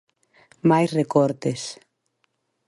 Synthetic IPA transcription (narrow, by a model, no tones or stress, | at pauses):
majsrekɔɾt̪es